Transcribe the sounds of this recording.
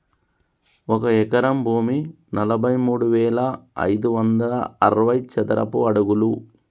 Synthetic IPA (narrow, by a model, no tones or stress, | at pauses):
ɔkɐɛkɐɾɐmbʱuːmi | nɐlɐbʱɐjmuːɽuʋɛːlɐɐ̰jd̪uʋɐnd̪ɐlɐɐɾɐʋɐjt͡ʃɐd̪ɐɾɐ̰puɐɽuɡulu